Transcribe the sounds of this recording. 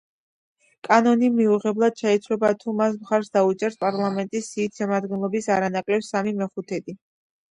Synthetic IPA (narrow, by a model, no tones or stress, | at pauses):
kʼanɔnimiuʁɛblˠad̪̥ʃɛit̪sʰlɛbat̪ʰumas̬mχaɾsd̪aut͡ʃʼɛɾspʼaɾlˠamɛnt̪ʼisːiːt̪ʃɛmad̪ɡɛnlˠɔbisaɾanakʼlɛbsamimɛχut̪ʰɛd̪i